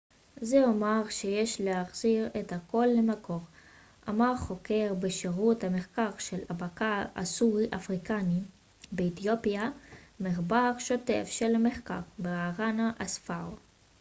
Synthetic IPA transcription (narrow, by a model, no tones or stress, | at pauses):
zeomaʁʃejeʃlehaχz̥iʁethako̞lːemako̞ʁ | ʔa̰maʁχo̞kʰe̞ʁbeʃeʁuthameχkaʁʃe̞labakaa̰suʁiʔafʁikani | beet̪jo̞piameχbaʁʃo̞te̞̰fʃelameχkaʁbeaʁanaʔasfao